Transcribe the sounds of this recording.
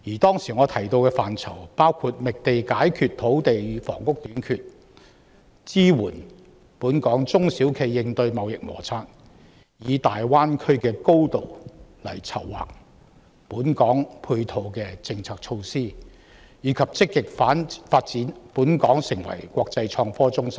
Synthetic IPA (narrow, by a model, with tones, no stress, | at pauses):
jiː˨˩t̪ɔː˥ŋsi˨˩ŋɔː˨˧t̪ʰɐ˨˩jt̪o˧wkɛː˧faː˨nt͡sʰɐ̰˨˩wpaː˥wkʰu˧t̚mɪ˨k̚t̪e˨jkaː˨˥jkʰyː˨t̚t̪ʰo˨˥wt̪e˨jfɔ̰ː˨˩ŋkʊ˥k̚t̪yː˨˥nkʰyː˨t̚ | t͡siː˥wuː˨˩n | puː˨˥nkɔː˨˥ŋt͡sʊ˥ŋsi˨˥wkʰe˨˧jːɪ˧ŋt̪ɵ˧ɥmɐ˨˧wjɪ˨k̚mɔ̰ː˨˩t͡sʰaː˧t̚ | jiː˨˧t̪aː˨jwaː˥nkʰɵ˥ɥkɛː˧ko˥wt̪o˨wlɐ̰˨˩jt͡sʰɐ˨˩wːa̰ː˨k̚ | puː˨˥nkɔː˨˥ŋpʰuː˧jt̪ʰo˨˧wkɛː˧t͡sɪ˧ŋt͡sʰaː˨˧k̚t͡ʃʰo˧wsiː˥ | jiː˨˧kʰɐ˨p̚t͡sɪ˥kːɪ˨k̚faː˨˥nfaː˧t̚t͡siː˨˥npuː˨˥nkɔː˨˥ŋsɪ˨˩ŋwɐ̰˨˩jkʷɔː˧k̚t͡sɐ˧jt͡ʃʰɔː˧ŋfɔː˥t͡sʊ˥ŋsɐ˥m